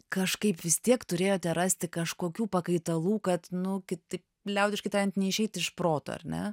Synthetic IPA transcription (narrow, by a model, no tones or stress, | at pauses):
kɐʃkɐɪpʋʲɪst̪ʲiɛkt̪ʊɾʲeːjoːt̪ʲɛɾɑːsʲt̪ʲɪkɐʃkoːkʲuːpɐkɐɪt̪ɐlˠuːkɐt̪nʊkʲɪt̪ɐɪp̚ | lʲɛʊd̪ʲɪʃkɐɪt̪ɑɾʲɛnt̪ʲnʲɛɪʃʲɛɪt̪ʲɪʃpɾoːt̪o̰ɐ̰ɾʲnʲɛ̰